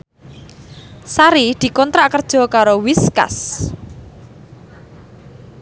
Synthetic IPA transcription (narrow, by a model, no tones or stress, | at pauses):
saɾid̪̥i̤kɔnt̪ɾaʔkərd̥ʒ̥ɔ̤kaɾowiska̰s